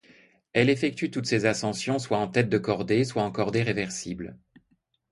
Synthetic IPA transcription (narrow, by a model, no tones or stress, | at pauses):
ɛlefɛk̚t̪yt̪ut̪sezasɑ̃sjɔ̃swaɑ̃t̪ɛt̪̚d̪əkɔʁd̪eswaɑ̃kɔʁd̪eʁevɛʁsibl